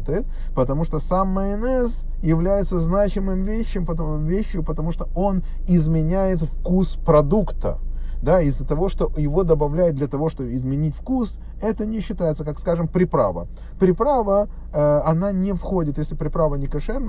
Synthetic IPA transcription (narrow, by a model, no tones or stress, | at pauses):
t̪ɨ | pət̪ɐmuʂt̪osamːəɛnɛs | jɪvlʲæjɪt̪səznat͡ɕɪmɨmvʲeɕːɪmpəvʲeɕːjʊpət̪ɐmuʂt̪oo̞n | ɪzmʲɪnʲæjɪt̪fkuspɾɐd̪ukt̪ə̰d̪aɪzːət̪ɐvo̞ʂt̪o̞jɪvo̞d̪əbɐvlʲæjɪt̪̚d̪lʲɐt̪ɐvo̞ʂt̪o̞bɪzmʲɪnʲitʲfkus | ɛt̪ənʲɪɕːɪt̪ajɪt̪səkakskaʐɨmpɾʲɪpɾa̰və̰ | pɾʲɪpɾavə | ɐnanʲɪfxo̞dʲɪt̪jesʲlʲɪpɾʲɪpɾavənʲɪkɐʂɛrnə